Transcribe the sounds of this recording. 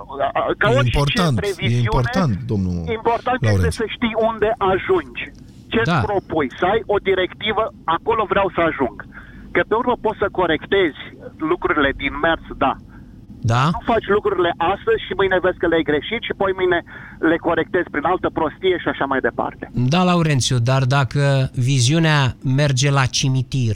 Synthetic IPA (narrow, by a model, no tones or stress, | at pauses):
kaoimt͡ʃpoɾt͡ʃentɾeviezimiuoɾteant̪d̪omnuimpo̞rt̪ant̪est̪esəʃt̪ijund̪e̞ʔaʒund͡ʒʲ | t͡ʃe̞pɾo̞pujsəajo̞d̪iɾe̞kt̪ivəako̞lo̞vɾeawsəaʒuŋɡkəpe̞urməpo̞t̪səko̞ɾe̞kt̪e̞z̥ʲlukɾuɾile̞d̪inme̞rsd̪a | d̪anufat͡ʃʲlukɾuɾile̞ʔast̪əz̥ʲʃimɨjnevezkəleajɡɾe̞ʃit̪ʃiapo̞jmɨjne̞ | le̞ko̞ɾe̞k̚t̪ezʲpɾinalt̪əpɾo̞st̪ije̞ʃiaʃamajd̪e̞pa̰rt̪e̞̥d̪alauɾe̞nt̪sjud̪ard̪akəviziuneame̞rd͡ʒe̞lat͡ʃimit̪ir